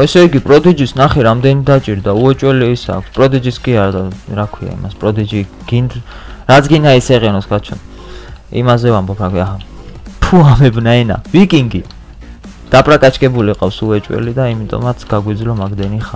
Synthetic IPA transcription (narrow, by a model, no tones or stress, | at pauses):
ɛsɛiɡipʼɾɔd̪id͡ʒisnaχɛɾamd̪ɛnid̪at͡ʃʼiɾd̪auɛt͡ʃʼwɛliːsa̰ːkʷʰspʼɾɔd̪id͡ʒiskʼiaɾd̪aɾakʰwia̰ḭma̰spʼɾɔd̪id͡ʒiɡ̥inɾat̪sʰɡind̪aisɛʁɛnɔskat͡ʃʰɔn | ḭmazɛvambɔpʰɾakʰiaɦapʰuamɛbnaɛna̰vikʼiŋɡi | d̪̥apʼɾakʼat͡ʃʰkʼɛbuliqʼafsuɛt͡ʃʼwɛ̰lid̪aimit̪ʼɔ̰mat̪sʰɡ̥aɡwid̪zlɔmaɡd̪ɛniχa